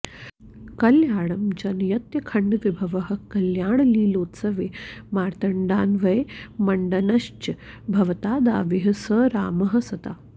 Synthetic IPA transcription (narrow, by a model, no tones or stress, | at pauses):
kɐljaːɽ̃ɐmd͡ʒɐnjɐt̪jɐkʰɐɳɖʋibʱɐʋɐɦɐ̆kɐljaːɳ̃liːloːt̪sɐʋeːmaːɾt̪ɐɳɖaːnʋɐjemɐɳɖɐnɐʃt͡ʃɐbʱɐʋɐt̪aːd̪a̰ːʋiɦɐsəːɾaːmɐɦɐsɐt̪a̰ː